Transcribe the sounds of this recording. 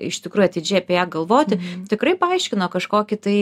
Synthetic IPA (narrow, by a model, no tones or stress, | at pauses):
ɪʃt̪ʲɪkɾuːjʊɐt̪ʲɪd͡ʒʲɛɪɐpʲɛjæːɡɐlˠʋoːt̪ʲɪt̪ʲɪkrɐɪpɐɐɪʃʲkʲɪnoːkɐʃkoːkʲɪt̪ɐɪ